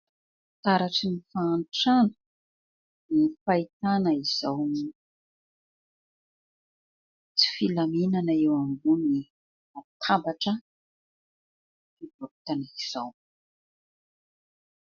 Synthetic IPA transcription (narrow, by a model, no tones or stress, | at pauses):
t̪aɾaʈ͡ʂinifaːnʈ͡ʂanə̥ | nifait̪anəiz̥awmi | t͡si̥filaminanaewambuni | at̪ʰabaʈ͡ʂə | fido̥t̪anaiz̥aw